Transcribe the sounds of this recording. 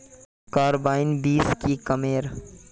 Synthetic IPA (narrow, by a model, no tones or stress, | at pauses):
kaːɾbaːɪnbiːskikɐmeːɾ